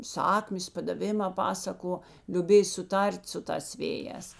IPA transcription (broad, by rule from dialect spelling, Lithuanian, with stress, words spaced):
ˈsɑːkmʲeːs pɐdɐˈʋʲɪmɑː ˈpɑːsɐˌkoː lʲʊˈbʲeːj sʊˈtɐrʲtʲ sʊ ˈtɑːs ˈʋʲeːˌjɛːs